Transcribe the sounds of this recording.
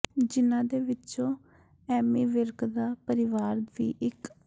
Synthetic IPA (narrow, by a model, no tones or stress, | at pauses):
d͡ʒɪnãːd̪eːʋɪt͡ʃõː | ɛːmiːʋɪɾkd̪aːpəɾɪʋaːɾʋḭːʔɪk